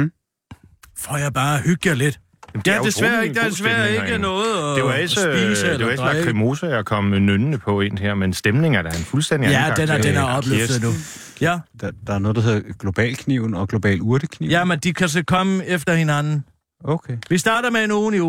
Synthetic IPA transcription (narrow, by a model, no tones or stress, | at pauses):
fɒjɑ̈ɪb̥ɑ̈ːæhyɡ̥jɐle̝d̥ | d̥æɐd̥esʋæɐd̥eɐdes̬ʋæɐ̰e̝ɡ̥ənɔ̽ːð̩ˠɒeɑesəsisəeleae̥sɑʁimo̝səɐkʰɒm̰nønnəpʰɒ̽e̝nheɐ̰mensd̥emne̝ŋæɐd̥ɑenfulsd̥en̰d̥ijæd̥end̥enæɐɒ̽b̥lyfdð̩ˠnu | jæd̥d̥ɑænɔ̽ːðˠd̥aɦe̝ðˠɐɡ̥lo̝b̥ɛ̰ːlkʰniʊ̰n̩ɒ̽ɡ̥lo̝b̥ɛ̰ːluɐd̥əkʰnḭjæmend̥ikʰæs̬ɒkʰɒ̽məefd̥ɐhinænn̩ | okʰeʋisd̥ɑ̈ːdɐmeenoːni